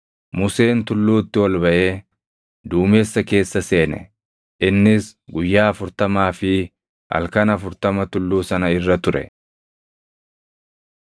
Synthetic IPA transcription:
mʊse̞ːnt̪ʊlːuːt̪ːɪwɐlbɐʔe̞ː | d̪uːme̞ːsːɐke̞ːsːɐse̞ːnɛ̰ | ʔɪnːɪsɡʊjːaːɐfʊɾt̪ɐmaːfɪ | hɐ̰lkɐnɐfʊɾt̪ɐmɐt̪ʊlːuːsɐnɐɪrːɐt̪ʊɾɛ̰

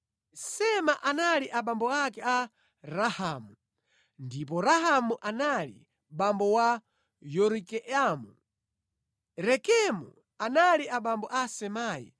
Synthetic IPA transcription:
sɛmaʔanaliʔaɓambɔakɛa | ɾahamu | ndip̬ɔɾahamuʔanalḭ | ɓambɔwa | jɔɾikɛʔamu | ɾɛkɛmṵ | analiaɓambɔʔasɛmaːjḭ

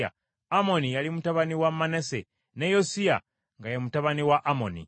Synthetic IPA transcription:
a̰ | amo̞nijalimutaβaniwamːanese | nejosija̰ | ŋɡajemutaβaniwaʔːmo̞̰nḭ

